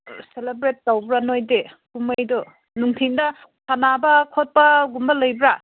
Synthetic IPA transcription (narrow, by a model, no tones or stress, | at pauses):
selebɾetːawbɾanojde | kumajdɔ | nuŋtʰiŋdɐ | sʰanabɐkʰot̚pɐɡumbɐlɐjbɾa